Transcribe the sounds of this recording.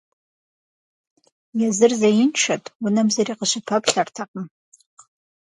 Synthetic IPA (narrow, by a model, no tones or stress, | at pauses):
jazɨrzajinʈ͡ʂʰatʼwʊnamzaɾiqəʃʷapʰapʰʼɬartʰaqʼəm